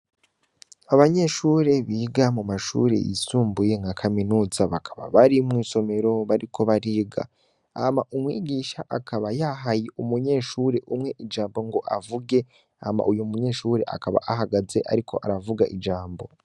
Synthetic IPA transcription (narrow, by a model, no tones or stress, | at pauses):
aβaɲe̞ʃuːɾe̞βiːɡamumaʃṵɾe̞̰jḭsuːmbuje̞ŋakʰaminuːzaβakʰaβa̰βaɾimŋiːso̞me̞ɾo̞βaɾikʰo̞βaɾiːɡa̰ | a̰maʔumwiːɡiːʃaʔakʰaβajaɦajiʔumuɲe̞ːʃuɾe̞ʔumŋe̞ʔid͡ʒaːmbo̞ŋɡo̞ʔavuɡe̞ | a̰ma̰ʔujumuɲe̞ːʃuːɾe̞ʔa̰kaβa̰ʔaɦaɡaze̞ʔa̰ɾikʰo̞̰ʔaɾavuɡaʔid͡ʒaːmbo̞̰